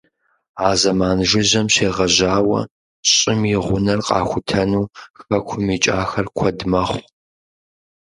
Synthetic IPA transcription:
aːzɐmaːnʒɪʑɐmɕeːʁɐʑaːwɐ̰ | ɕʼɪmjɪʁʷʊnɐrqʼɑ̰ːxʷʊtʰɐnuːxɐkʷʰʊmit͡ʃʼaːxɐrkʷʰɐdmɐχʷ

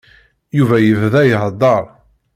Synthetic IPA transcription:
juvæjəvðæjɦəd̪ˤːəɾˤ

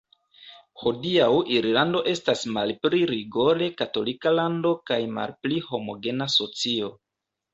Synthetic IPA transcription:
ho̞diawiɾlando̞ʔe̞stasmalpliɾiɡo̞ɾe̞kato̞likalando̞kajma̰lpliho̞mo̞ɡe̞naso̞t͡sio̞

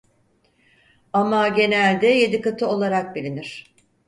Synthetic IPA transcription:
amaɟe̞nælʲd̪ɛje̞d̪ikat̪ʰɯo̞lˠaɾak̚bilʲiniɾ̥

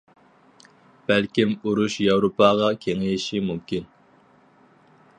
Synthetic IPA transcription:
b̥ɛlkʲimuɾuʃjɑwɾopɑːʁɑkʲʰeŋɪlɪʃimumkʲin

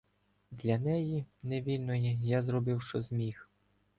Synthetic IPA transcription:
d̪lʲɐnɛjineʋʲilʲnɔjijazɾɔbɪwʃt͡ʃɔzmʲix

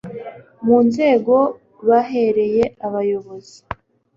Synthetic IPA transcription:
muːnze̞ːɡo̞ | βaɦe̞ɾe̞je̞aβajo̞βo̞zi

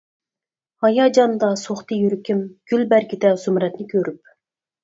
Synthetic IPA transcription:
hɑjɑd͡ʒɑnd̪ɑsoχt̪ɨjyɾɪkʲimɡ̥ʲylbæɾɡʲid̪ɛsumɾɛt̪nɪkʲʰøɾyp̚

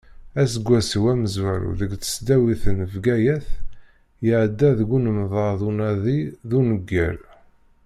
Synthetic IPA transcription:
æsəɡʷːæswæməzwæɾṵðəɡt͡sːə̥sd̪æwiθənəvɡæjæθ | jəʕd̪ːæðɡunəmðˤɑðunæðiðunəɡːæ̰ɾ

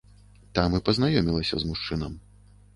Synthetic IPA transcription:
t̪amɨpɐznajɔmʲilˠɐsʲɐzmuʂt͡ʂɨnɐm

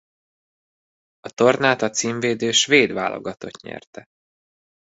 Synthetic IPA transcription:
ɒt̪o̞rnaːt̪ɒt̪siːɱveːd̪øːʃveːd̪ʋa̰ːlʔo̞̰ɡɒt̪o̞t̪ɲɛ̰rt̪ɛ

